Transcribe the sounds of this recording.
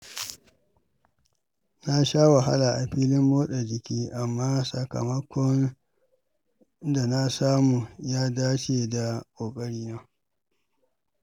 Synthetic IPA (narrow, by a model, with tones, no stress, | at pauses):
na˦ʃaː˦wa˨ɦa̰˦la˨ʔa˨ɸiː˦lɪ˦mːoː˦ɗa˨d͡ʒɪ˨kʲiː˦ʔa˨mːaː˦sɐ˨kɐ̰˨mɐ˦kʷʰɔ˦n | da˨na˦saː˦mu˨jaː˦daː˦t͡ʃeː˨da˨kʷʼoː˨kʼɐ˦ɽiː˦naː˦